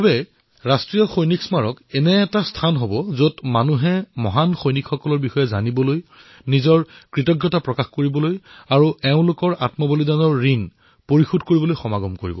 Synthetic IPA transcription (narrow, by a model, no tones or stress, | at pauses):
bɛ | ɹastɹijɔxojniksmaɹɔkɛnɛːtastʰanɦobɔzotmanuɦɛmɔɦanxojnikʰxɔkɔlɔɹbixɔjɛza̰nibɔloj | nizɔɹkɹitɔɡjɔtapɹɔkaxkoɹibɔlojaɹuɛʊ̃lokɔɹʔa̰tmɔbolidanɔɹːin | poɹixudkoɹibɔlojxɔmaɡɔmkoɹḭbɔ̰